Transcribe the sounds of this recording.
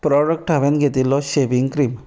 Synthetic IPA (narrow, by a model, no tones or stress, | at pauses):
pɾɔɽək̚ʈɦaʋẽnɡʱet̪ilːɔɕeʋiŋɡkɾim